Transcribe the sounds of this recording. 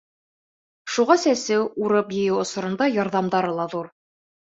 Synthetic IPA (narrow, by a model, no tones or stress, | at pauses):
ʃuʁɑsæsɘwuɾɤpjɘ̆jɘwŏsŏɾɤ̆nd̪ɑjɑɾðɑmd̪ɑɾɤlˠɑðuɾ